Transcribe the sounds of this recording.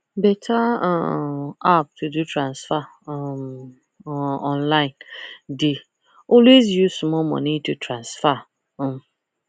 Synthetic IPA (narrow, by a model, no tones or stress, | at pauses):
bɛtʰa | ap̚tʰudutɾãnsfa | m | ɔ̃nlaɪ̃ndɪ | ɔlwezjusmɔmɔ̰nitutʰɾãnsfa